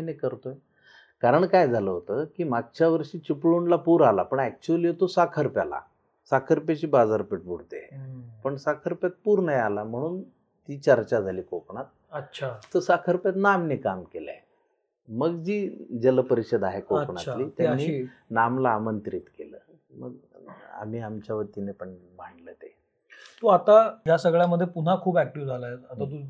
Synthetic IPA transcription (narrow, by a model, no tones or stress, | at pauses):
aɦinekəɾt̪oe | kaɾəɳkajd͡zʱaləɦot̪əːkiːmaɡ̚t͡ɕaʋəɾɕiːt͡ɕupɭuɳlapuːɾalapəɳɛk̚t͡ɕuəliːɦot̪osakʰəɾpjala̰ | sakʰəɾpat͡ɕiːbad͡zaɾpiʈ̚bʱuɽt̪ḛpəɳsakʰəɾpjat̪̚puːɾnajalam̤əɽ̃uːn | t̪iːt͡ɕəɾt͡ɕad͡zʱaliːkokɳat̪̚əɕʰaːəsakʰəɾpjat̪namnikamkela̰ | məɡd͡ʑiːd͡zeləpəɾiɕəd̪aɦekokɳaliːt̪janːiːnamlaːmənt̪ɾit̪kelə̰ː | mə̰ɡ | a̰m̤iːamt͡ɕjaʋət̪inepəɳ | m̤əɳɖlət̪e | t̪oat̪ajasəɡɭjaməd̪ʱːjepuɽ̤akʰuːpæk̚ʈiʋd͡zʱalajet̪at̪at̪̬u